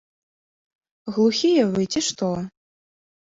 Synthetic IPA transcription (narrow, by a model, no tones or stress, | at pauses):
ɣlˠuxʲijɛvɨt͡sʲiʂt̪ɔ